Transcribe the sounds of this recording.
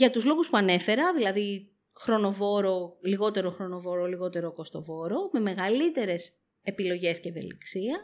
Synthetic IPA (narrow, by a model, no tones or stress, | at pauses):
ʝɐt̪uzlo̞ɣuspuɐne̞fe̞ɾɐðilɐði | xɾo̞no̞vo̞ɾo̞liɣo̞t̪e̞ɾoxɾo̞no̞vo̞ɾo̞liɣo̞t̪e̞ɾo̞ko̞st̪o̞vo̞ɾo̞me̞me̞ɣɐlit̪e̞ɾe̞s | e̞pilo̞ʝe̞sceːvḛlḭksiɐ